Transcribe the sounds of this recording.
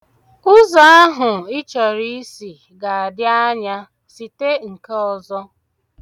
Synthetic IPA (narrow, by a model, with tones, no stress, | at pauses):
kʊ˦za˨a˦ɦʊ˨ɪ˦t͡ʃɔ˨ɾi˦si˨ | ɡa˨a˨dja˦ɲa˦ | si˨te˦ŋ̩˨ke˦ɔ˨zɔ˦